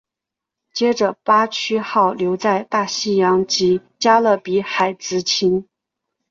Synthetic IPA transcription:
t͡ɕjɛ˥ʈ͡ʂə˨˩pa˥t͡ɕʰy˥xɑ˥˩ʊljo˧˥ʊt͡sa˥˧ɪt̪a˥˩ɕi˥jɑ˧˥ŋt͡ɕi˧˥t͡ɕja˥lə˥˩pi˧˥xa˨˩ɪt͡sɹ̩˧˥t͡ɕʰi˧˥n

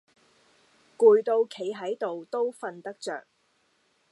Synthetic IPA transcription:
kuː˨jt̪o˧wkʰe˨˧jɦɐ˨˥jt̪o˨wt̪o˥wfɐ˧nt̪ɐ˥k̚t͡sœ̰ː˨k̚

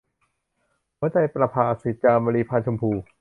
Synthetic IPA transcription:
maː˦˥t͡ɕa˧jpɾa˧pʰaː˧si˨˦t̪̚t͡ɕaː˧baː˧liː˧pʰaː˧nt͡ɕʰo˧mpʰuː˧

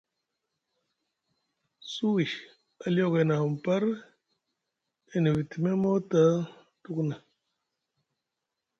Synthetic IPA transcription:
su˦wi˨ | a˨ljɔ˦˨ke˨na˨m̩˨pa˦ɾ | e˨ni˨bi˨ti˨me˦mo˦ta˦ | tu˦kna˨

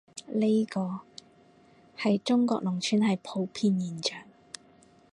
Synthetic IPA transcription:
le˥kɔː˧ | hɐ˨jt͡ʃʊ˥ŋkɔ̰ː˧k̚lʊ˨˩ŋt͡ʃʰyː˨˧nhɐ˨jpʰo˧wpʰiː˧njiː˨˩nt͡ʃœː˨˩ŋ

